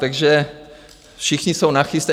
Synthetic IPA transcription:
t̪aɡʒɛ | fʃɪxɲisownaxɪst̪ɛ

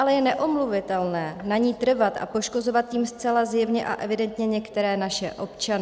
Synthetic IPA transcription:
alɛjɛnɛʔo̞mluvɪt̪ɛlnɛːnaɲiːt̪r̩vat̪ʔa̰po̞ʃko̞zo̞vat̪̚jiːmst͡sɛlazjɛvɲɛʔa̰ʔɛvɪdɛnt̪ɲɛɲɛkt̪ɛɾɛːnaʃɛʔo̞pt͡ʃanɪ

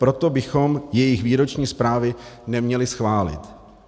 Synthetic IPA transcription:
pɾo̞t̪o̞bɪxo̞mjɛjɪxviːɾo̞t͡ʃɲiːspɾaːvɪnɛmɲɛlɪsxvaːlɪ̰t̪

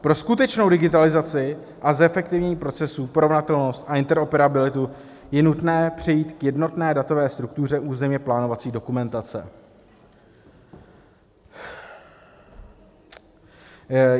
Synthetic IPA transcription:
pɾo̞skut̪ɛt͡ʃno̞wdɪɡɪt̪alɪzat͡sɪ | ʔazɛfɛk̚t̪ɪvɲɛɲiːpɾo̞t͡sɛsupo̞ɾo̞vnat̪ɛlno̞st̪ʔaɪnt̪ɛɾo̞pɛɾabɪlɪt̪u | jɛnut̪nɛːpr̝̥ɛjiːt̪kjɛdno̞t̪nɛːdat̪o̞vɛːst̪ɾuk̚t̪ur̝ɛʔuːzɛmɲɛplaːno̞vat͡siːdo̞kumɛnt̪at͡sɛ̰

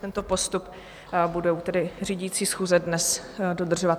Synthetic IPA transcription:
t̪ɛnt̪o̞po̞st̪up | budɛwt̪ɛdɪriːɟit͡siːsxuːzɛdnɛsdo̞d̪r̩ʒovat̪

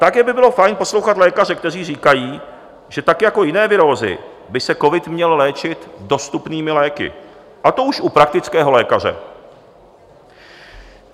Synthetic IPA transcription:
t̪akɛːbɪbɪlo̞fajnpo̞slowxat̪lɛːkar̝ɛk̚t̪ɛr̝iːriːkajiː | ʒ̥ɛt̪akjako̞jɪnɛːvɪɾo̞ːzɪ̰ | bɪsɛko̞vɪt̪mɲɛllɛːt͡ʃɪt̪do̞st̪upniːmɪlɛːkɪ̰ | ʔat̪o̞uʃʔupɾak̚t̪ɪt͡skɛːɦo̞lɛːkar̝ɛ̰

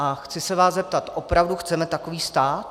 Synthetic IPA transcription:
ʔaxt͡sɪsɛvaːszzɛp̚t̪at̪ʔopɾavduxt͡sɛmɛt̪akoviːst̪aːt̪̚

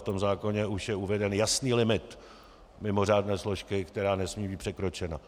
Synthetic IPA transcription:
ft̪o̞mzaːko̞ɲɛʔuʃjɛuvɛdɛnjasniːlɪmɪt̪ | mɪmo̞r̝aːdnɛːslo̞ʃkɪkt̪ɛɾaːnɛsmiːbiːpr̥ɛkɾo̞t͡ʃɛna

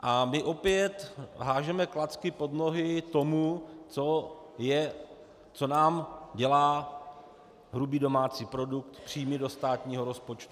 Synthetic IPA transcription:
ʔamɪʔo̞pɪjɛt̪ɦaːʒɛmɛklat͡skɪpo̞dno̞ɦɪt̪o̞mut͡so̞ | jɛ | t͡so̞naːmɟɛlaː | ɦɾubiːdo̞maːt͡siːpɾo̞duk̚t̪pr̥iːmɪdo̞st̪aːt̪ɲiːɦo̞ɾo̞spo̞t͡ʃt̪u

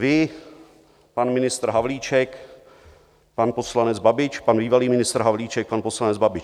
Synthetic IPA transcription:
vɪ | panmɪnɪst̪ɾ̩ɦavliːt͡ʃɛk | panposlanɛd͡zbabɪt͡ʃpanbiːvaliːmɪnɪst̪ɾ̩ɦavliːt͡ʃɛk̚panposlanɛd͡zbabɪt͡ʃ

